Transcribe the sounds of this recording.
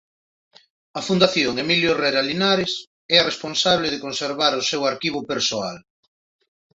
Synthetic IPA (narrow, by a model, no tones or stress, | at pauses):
ɐfund̪aθjoŋemiljoreɾalinaɾes | ɛɐresponsaβleð̞ekonseɾβaɾʊsewaɾkiβ̞ʊpeɾsoal